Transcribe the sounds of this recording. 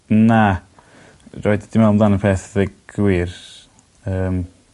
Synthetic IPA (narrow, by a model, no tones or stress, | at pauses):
na | roːɨddimɛlˠmblˠanəpʰeːθðəɡ̥wiːr | əːm